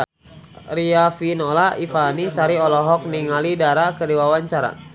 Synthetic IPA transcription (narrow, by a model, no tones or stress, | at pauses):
ɾiafinɔlaifanisaɾiɔlɔɦɔk̚niŋalidaɾakəɾiwawaɲt͡ʃaɾa̰